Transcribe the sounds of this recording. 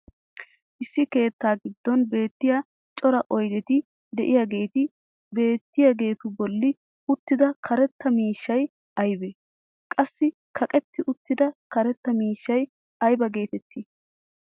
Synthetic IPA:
ʔɪsːɪke̞ːt̪ːaːɡɪd̪ːɔnbe̞ːt̪ːɪja | t͡ʃʼɔɾɐʔɔjd̪ɛt̪ɪ | d̪ɛʔɪjaɡe̞ːt̪ɪ | be̞ːt̪ːɪjaɡe̞ːt̪ʊbɔlːɪ | ʊt̪ːɪd̪ɐkʰɐɾɛt̪ːɐmiːʃːɐj | ʔɐjbe | kʼɐsːɪ | kʰɐkʼɛt̪ːɪʔʊt̪ːɪd̪ɐkɐɾɛt̪ːɐmiːʃːɐj | ɐjbɐɡe̞ːt̪ɛt̪ʰːɪ

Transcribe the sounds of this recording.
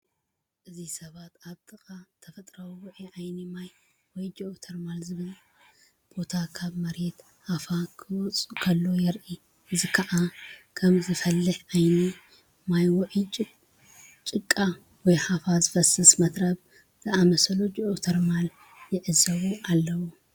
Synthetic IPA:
ʔɨzisɐβat̪aβt̪ʰʼɨxʼat̪ʰɐfɐt̪ʼɾɐwiwɔʕiʕajnimaj | wɔjd͡ʒoʔot̪ʰɐɾmalzɨβɨl | b̥o̞t̪ʰakʰaβmɐɾet̪ | hafakʰɨwɔt͡sʼukʰɐlːo̞jɛɾʔi | ɨzikʰɐʔakʰɐmzɨfɐlːɨħʕajni | majwɔʔit͡ʃʼ | t͡ʃʼɨkʼːa | wɔjhafazɨfɐsɐsmɐt̪ɾɐβ | z̥ɨamɐsɐlod͡ʒiʔot̪ʰɐɾmal | jɪʕɨzɐβuʔalːɐwu

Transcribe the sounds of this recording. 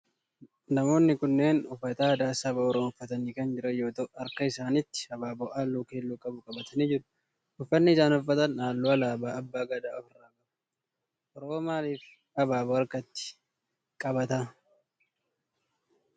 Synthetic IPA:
nɐmo̞ːnːɪkʊnːeːnʊfːɐt̪aːd̪aːsɐbɐɔɾoːnʊfːɐt̪ɐniːkɐnd͡ʒɪɾɐjo̞ːt̪ɔʔɐɾkɐɪsaːnɪt̪ːɪ̥ɐbaːbɔʔaːlːuːke̞ːlːuːkʼɐbʊkʼɐbɐt̪ʰɐniːd͡ʒɪɾʊ̥ | ʊfːɐnːɪɪsaːnʊfːɐt̪ɐnaːlːuɐlaːbaːɐbːaːɡɐd̪aːɔfɐraːɡɐʊ̥ | ʔɔɾoːmaːliːf | ɐbaːbɔɐɾkɐt̪ːɪ̥ | kʼɐbɐt̪a

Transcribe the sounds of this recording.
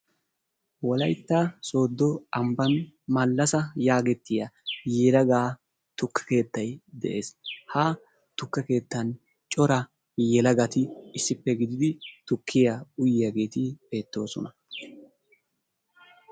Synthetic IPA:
wɔlɐjt̪ːaso̞ːd̪ːɔɐmbɐnmɐlːɐsɐjaːɡɛt̪ːɪjɐjeɾɐɡaː | t̪ʊkːɐ̥ke̞ːt̪ːɐjd̪ɛ̰ʔe̞ːshaː | t̪ʊkːɐke̞ːt̪ːɐn | t͡ʃʼɔɾɐ | jɛlɐɡɐt̪ɪɪsːɪpːɛɡɪd̪ɪd̪ɪt̪ʊkʰːɪjaʊjɪjɐɡe̞ːt̪ɪbe̞ːt̪ːo̞ːsɔ̰nɐ

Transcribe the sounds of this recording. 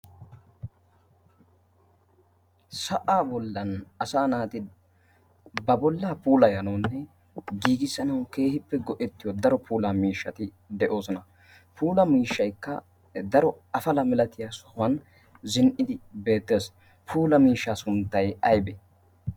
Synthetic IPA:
sɐʔaːbɔlːɐnɐsaːnaːt̪ɪ | bɐbɔlːaːpuːlɐjɐnɐwnːɛ | ɡiːɡɪsːɐnɐwke̞ːhɪpːɛɡɔʔɛt̪ːɪjɔd̪ɐɾɔpʰuːlamiːʃːɐt̪ɪ | d̪ɛʔo̞ːsɔnɐ | pʰuːlɐmiːʃːɐjkːɐ̰ | d̪ɐɾɔɐfɐlɐmɪlɐt̪ɪjasɔhɐn | zɪnʔɪd̪ɪbe̞ːt̪ːe̞ːs | pʰuːlɐmiːʃːaːsʊnt̪ːɐjɐjbɛ

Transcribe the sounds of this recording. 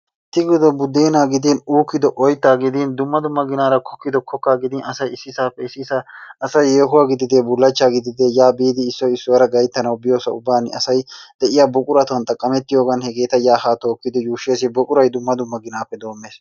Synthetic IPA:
t̪ɪɡɪd̪ɔbʊd̪ːeːnaːɡɪd̪inuːkːɪd̪ɔʔɔjt̪ːaːɡɪd̪iːnd̪ʊmːɐd̪ʊmːɐɡɪnaːɾɐkʰɔkːɪd̪ɔkʰɔkːaːɡɪd̪ɪnɐsɐjɪsːɪsaːpːɛɪsɪsɐɐsɐjeːɦʊwaːɡɪd̪ɪd̪eːbʊlːɐt͡ʃːaːɡɪd̪ɪd̪eːjaːbiːd̪ɪːsːɔjɪsːɔwɐɾɐɡɐjt̪ːɐnɐwbɪjo̞ːsɐʊbːaːnɐsɐjd̪̥ɛʔɪjaːbɔkʼʊɾɐt̪ʊɐnt̪ʼɐkʼːɐmɛt̪ːɪjoːɡɐnhɛɡe̞ːt̪ɐjaːhaːt̪o̞ːkːɪd̪ɔjuːʃeːsɪbɔkʼʊɾɐjd̪ʊmːɐd̪ʊmːɐɡɪnaːpːɛd̪o̞ːmːeːs

